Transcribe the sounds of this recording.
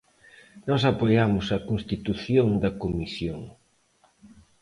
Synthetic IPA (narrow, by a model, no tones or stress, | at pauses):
nɔsapojamʊsɐkonst̪it̪uθjoŋd̪ɐkomisjoŋ